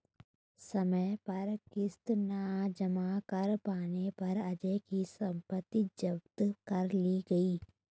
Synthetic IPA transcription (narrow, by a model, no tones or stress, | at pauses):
sɐməjpɐɾkɪst̪naːd͡ʒɐmakɐɾpaːnepɐɾɐd͡ʒekisɐ̃mpət̪ːid͡ʒɐbt̪kɐɾliɡɐiː